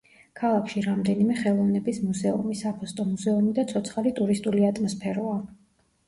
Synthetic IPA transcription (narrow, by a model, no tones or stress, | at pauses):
kʰalˠakʰʃiɾamd̪ɛnimɛχɛlˠɔvnɛbismuzɛṵmisapʰɔst̪ʼɔmuzɛumid̪at̪sʰɔt̪sʰχalit̪ʼuɾist̪ʼuliat̪ʼmɔspʰɛɾɔa